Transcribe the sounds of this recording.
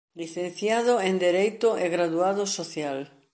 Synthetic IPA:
liθẽn̟θjaðʊẽnd̪eɾejt̪ʊeɣɾaðuaðʊsoθjal

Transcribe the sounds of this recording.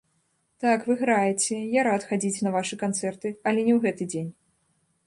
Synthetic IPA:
t̪akvɨɣɾajɛt͡sʲɛjaɾat̪xad͡zʲit͡sʲnɐvaʂɨkant̪sɛrt̪ɨɐlʲɛnʲɛwɣɛt̪ɨd͡zʲenʲ

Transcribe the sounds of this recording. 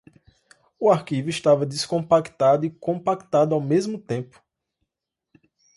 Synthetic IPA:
uaɾkivʊist̪avɐd̪iskõpakt̪ad̪ʊikõpakt̪ad̪ʊawmezmʊt̪ẽpʊ̥

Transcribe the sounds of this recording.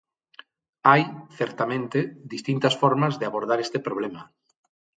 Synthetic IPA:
ajθɛɾt̪amẽnt̪eðist̪int̪ɐsfɔɾmɐzðeaβoɾðaɾest̪epɾoβlemɐ

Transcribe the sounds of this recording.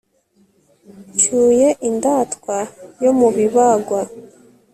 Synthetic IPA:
t͡ʃuːje̞ʔindaːtkwajo̞muβiβaɡwa

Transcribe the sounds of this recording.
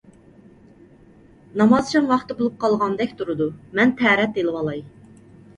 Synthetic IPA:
nɑmɑz̥t͡ʃʰɑnwɑχt̪ɨbolˠup̚qʰɑlˠʁɑnd̪ɛkʲt̪ʰuɾɨd̪umɛnt̪ʰɛːɾɛt̪̚elˠɨwɑlˠɑj

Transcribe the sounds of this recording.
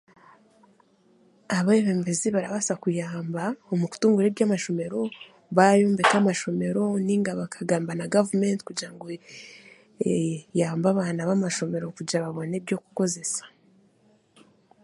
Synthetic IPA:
aβaeβembeziβaɾaβasakujaːmbaomuku̥tuːŋɡuɾeβjaːmaʃo̞me̞ɾo̞ | βajoːmbekamaʃo̞me̞ɾo̞niŋɡaβakʰaɡaːmbanaɡavumentkuɟiɾaŋɡo | jaːmbaβaːnaβamaʃo̞me̞ɾo̞kuɟaβaβo̞ne̞bjo̞ku̥ko̞ze̞sḁ

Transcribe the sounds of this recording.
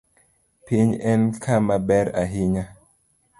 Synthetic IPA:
piɲɛnkʰamabɛɾaɦiɲa

